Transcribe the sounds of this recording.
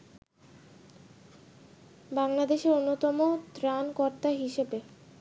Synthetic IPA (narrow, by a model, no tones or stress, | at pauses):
baŋlad̪eʃeɾonːot̪ɔmot̪ɾankɔɾt̪aɦiʃebe